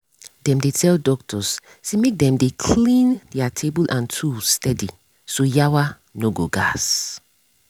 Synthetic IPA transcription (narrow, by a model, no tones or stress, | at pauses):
dɛ̃mdetʰɛldɔk̚tʰɔs | semek̚dɛ̃mdekʰllĩndiatʰebulʔãntʰustɛdi | sojawa | noɡoɡas